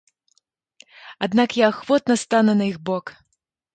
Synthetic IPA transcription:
ad̪nakjaːxvɔt̪̚nɐst̪anɐnɐiɣbɔk

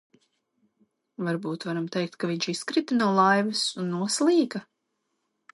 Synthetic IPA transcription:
vaɾbuːt̪vaɾamt̪ɛjk̚t̪̚kaviɲʲt͡ʃiskɾit̪anaɔlˠajvɨsunːuɔslˠiːka

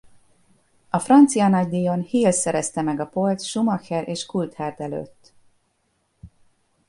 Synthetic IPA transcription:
ɒfrɒnt̪sijɒnɒɟ̚d̪iːjo̞nhiːlsɛɾɛst̪ɛmɛɡɒpo̞lt̪ʃumɒkɛɾʔeːʃkult̪haːrd̪ɛlø̰ːt̪ː

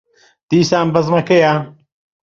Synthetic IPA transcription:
t̪iːsaːmbɐzmɐkejaː

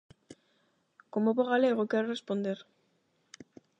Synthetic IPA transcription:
komopoɣaleɣ̞okeɾorespo̞nd̪eɾ

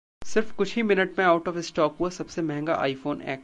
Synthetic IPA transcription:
sɪɾfkʊt͡ʃʰimɪnəʈmẽaːʊʈɔːfɪsʈɔːkɦuasɐbsemɛ̃ɦɛ̃ŋɡa̰ʔa̰ːifoːnɛ̰ːk

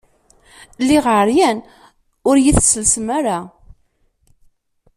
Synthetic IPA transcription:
lːiʁʕəɾjæn | ʊɾjiθsəlsmaɾa

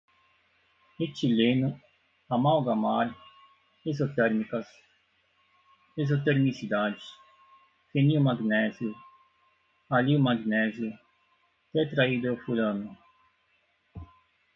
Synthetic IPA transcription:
et͡ʃilenʊ | amawɡamaɾ | ezot̪ɛɾmikɐs | ezot̪eɾnisid̪ad͡ʒis | feniumaɡnɛzjʊ | aliwmaɡnɛzjʊ | t̪et̪ɾaid̪ʊofulɐ̃nʊ

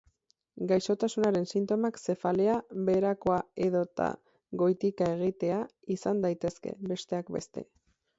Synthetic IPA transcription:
ɡajso̞t̪asunaɾe̞nsint̪o̞makse̞fale̞aβe̞ɾako̞ae̞ðo̞t̪a̰ | ɣo̞jt̪ikae̞ɣ̞it̪e̞aisand̪ajt̪e̞ske̞̰βe̞st̪e̞akbe̞̰st̪e̞̰

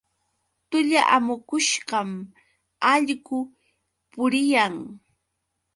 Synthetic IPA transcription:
t̪ʊʎaʔamʊkʊʃɢɑm | ɑʎɢʊ | pʊɾɪjaŋ

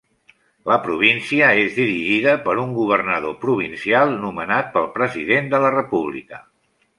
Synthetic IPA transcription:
ləpɾuβ̞insiəezðiɾiʒiðəpəɾuŋɡuβ̞ərnəðopɾuβ̞insialˠnumənat̪̚pəlˠpɾəziðend̪ələrəpuβ̞lḭkə

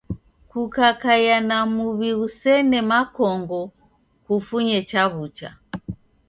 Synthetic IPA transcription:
kukakajanamuβiusɛnɛmakɔŋɡɔ | kufuɲɛt͡ʃaβut͡ʃa̰

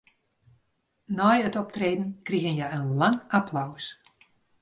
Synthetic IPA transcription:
nɔjətɔp̚treːdn̩kriɣənjɛjənlaŋapʰlaws

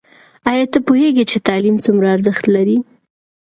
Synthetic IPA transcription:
ɑjɑt̪əpoheɡet͡ʃet̪ɑlimt͡sumɾaːɾzəxt̪laɾi

